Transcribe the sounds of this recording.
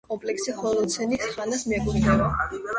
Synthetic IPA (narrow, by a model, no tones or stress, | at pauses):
kʼɔmpʼlɛksiχɔlɔd̪t̪sʰɛnisχanasmiɛɡuɾinɛva